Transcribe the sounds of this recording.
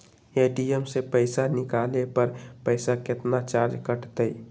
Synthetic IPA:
eɖiemsepəɪsanikalepəɾpəɪsaket̪nat͡ʃaɾd͡ʒkəʈt̪əj

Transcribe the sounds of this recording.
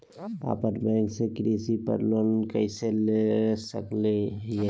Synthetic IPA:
a̰ːpəɾbɛ̃ːŋksekɾiːsipə̰ɾloːnkəɪselesəkleje

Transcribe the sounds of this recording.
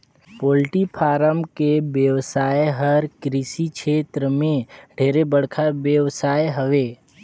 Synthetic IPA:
poːlʈipʰaːɾəmkebjəwsaːjeɦəɾkɾisikʃeːt̪ɾəmẽɖʱeːɾebəɽkʰabjəwsaːjɦəʋeː

